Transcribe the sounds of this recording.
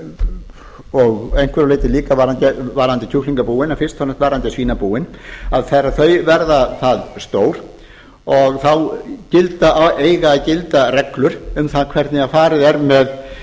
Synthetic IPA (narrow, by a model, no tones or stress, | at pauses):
ɔɣejn̥kvɛɾaleːjt̪ɪliːkavaɾant̪ɪvaɾant̪ɪcʰuhliŋkapuːɪnafɪrst̪ʰɔnːɛht̪vaːɾant̪ɪsiːnapuːɪnaðθɛrːaθœɥvɛɾðaθaðst̪oːwɾ̥ | ɔɣθawcɪlt̪aeːjɣaːðcɪlt̪arɛklʏɾʏmθaðkʰv̥ɛɾt̪nɪafaːɾɪðɛɾmɛð